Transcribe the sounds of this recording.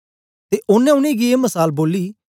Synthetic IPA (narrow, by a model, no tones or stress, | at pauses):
t̪eʔʊnɛ̃ʊñẽːɡieːməsaːlboːliː